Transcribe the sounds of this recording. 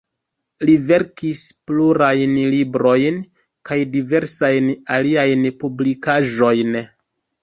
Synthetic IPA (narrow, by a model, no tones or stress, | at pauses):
live̞ɾkispluɾajnlibɾo̞jn | kajdive̞ɾsajnaliajnpublikaʒo̞jn